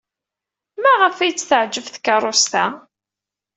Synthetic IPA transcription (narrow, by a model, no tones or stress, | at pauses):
mæʁəfæjt͡sːθəʕd͡ʒəvθkːɑɾˤost̪æ